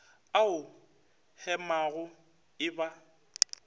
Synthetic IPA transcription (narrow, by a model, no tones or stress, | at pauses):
aʊ | hɛmaɣʊ | ɪba